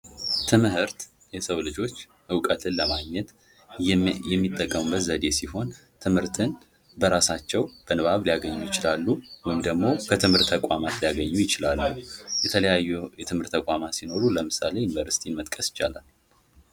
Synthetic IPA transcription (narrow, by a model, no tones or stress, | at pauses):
t̪ʰɨmhɨɾt̪ | jɛsəwlɨd͡ʒo̞t͡ʃː | ʔɨwkʼət̪ʰɨnləmaɡɲːɛt̪ | jɛmːit̪ʼːəkʼːəmɨbəzəd̪e̞siho̞n | t̪ʰɨmhɨɾt̪ʰɨn | bəɾasat͡ʃːɛwb̥ənɨβaβlijaɡəɲːujɪt͡ʃɪlalːuwɔjɪmd̪əɡmo̞kʰət̪ʰɨmhɨɾt̪ʰːəkʷʼamat̪lijaɡəɲːujɪt͡ʃɪlalːujɛt̪ʰələjajːujɛt̪ʰɨmhɨɾt̪ːəkʼamat̪sino̞ɾuləmɨsa̰le̞junvəɾsi̥t̪ʰinmət̪ʼkʼəsɪ̥t͡ʃːa̰la̰l